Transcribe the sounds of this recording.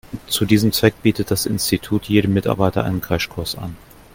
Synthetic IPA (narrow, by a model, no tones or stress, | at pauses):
t͡sudiːzəmt͡sv̥ɛk̚b̥iːtət̚d̥asɪ̰nstitʰuːtʰjeːdəmːɪta̰ɐbaɪtɐ̰ʔa̰ɪnənkʰʁ̥ɛʃkʰʊɐsa̰n